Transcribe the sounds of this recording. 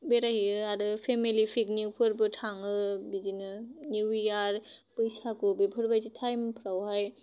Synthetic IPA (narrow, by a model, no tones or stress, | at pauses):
beɾaɦiɯaɾɯpʰemilipʰikniwpʰɯɾbɯʈʰaŋɯbizinɯniwiaɾ | pəjsakubipʰɯɾbajtitʰajmpʰɾawɦaj